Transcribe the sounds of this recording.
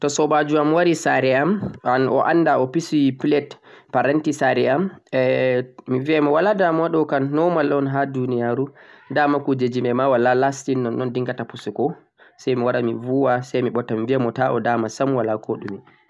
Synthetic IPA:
tɔsɔbad͡ʒuamwaɾisaɾɛamanɔʔandaɔpisuwipilɛtpaɾantisaɾɛam | miviɛmɔwaladamaɗɔkanːɔmalɔnɦadunijaɾudamakud͡ʒed͡ʒimɛmawalalastinːɔnːɔndiŋɡatapusukɔ | sɛjmiwaɾamivuwasɛjmiɓɔtːamviɛmɔtaʔɔ̰daːmasamwalakʰɔɗṵm

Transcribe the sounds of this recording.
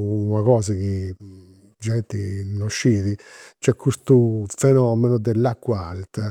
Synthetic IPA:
unaɣɔːzaki | d͡ʒɛnt̪inoʃːiːðit͡ʃɛkʰːust̪ufɛnɔːmɛnud̪ɛlːakːwalt̪

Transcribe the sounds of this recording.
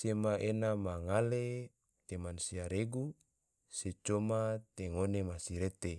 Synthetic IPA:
semaenamaŋale | t̪emansiaɾeɡu | set͡ʃomat̪eŋonemasiɾet̪e

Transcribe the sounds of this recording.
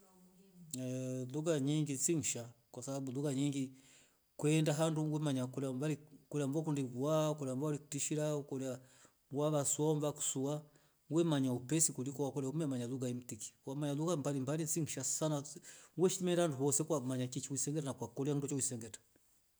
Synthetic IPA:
luɡaɲiŋɡinsiŋ̩ʃakwasababuluɡaɲiŋɡi | kwɛndaɦanduŋɡwɛmaɲakulambalikuliamvak̬undiɡuaukɔlamvaliku̥tiʃiɾaukɔlia | waβasuaɔmvaku̥sua | ŋɡwɛmaɲaupɛsikulikɔwakɔlaumɛmaɲaluɡaim̩tiki̥wamaɲaluɡambalimbalinsiŋ̩ʃasanaŋɡwɛʃiimɛndahanduhɔsɛkwamaɲat͡ʃit͡ʃiwisɛŋɡɛtanakwakɔliaŋdut͡ʃauisɛŋɡɛtḁ

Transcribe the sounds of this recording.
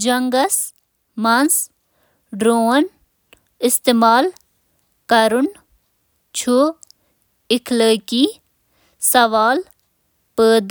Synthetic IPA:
d͡ʒɐŋɡɐs | mans | ɖɾoːn | ɪst̪eːmaːl | kɐɾun | t͡ʃʰu | ɪkʰləːki | sɐʋaːl | pəːd̪

